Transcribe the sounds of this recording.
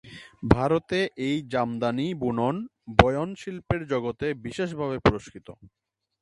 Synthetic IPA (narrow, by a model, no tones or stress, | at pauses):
bʱaɾot̪eʔejd͡ʑamd̪anibunonbɔjonʃilpeɾd͡ʑɔɡot̪ebiʃeʃ̬bʱaβepuɾoʃkit̪o̰